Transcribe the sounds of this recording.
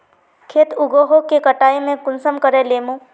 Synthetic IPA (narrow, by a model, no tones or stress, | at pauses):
kʰeːt̪ʊɡoːɦokekəʈaːemẽkʊnsəmkəɾẽleːmõː